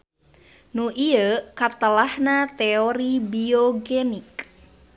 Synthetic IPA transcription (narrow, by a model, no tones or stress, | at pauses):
noʔiəkat̪əlahnat̪eoɾibioɡenɪk̚